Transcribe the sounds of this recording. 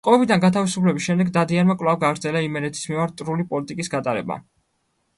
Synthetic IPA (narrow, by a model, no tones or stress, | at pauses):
qʼɔɛbid̪anɡat̪ʰavisupʰlɛbisʃɛmd̪ɛɡd̪ad̪ianmakʼlˠavɡaɡɾd̪zɛlaimɛnɛt̪ʰi̥smimaɾt̪ːʼɾulipʼɔlit̪ʼikʼisɡat̪ʼaɾɛ̰ba̰